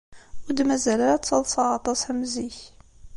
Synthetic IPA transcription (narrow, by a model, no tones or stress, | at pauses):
ʊɾd̪mæzælaɾæt͡sːɑlsˤɑʁɑt̪ˤɑsæmziç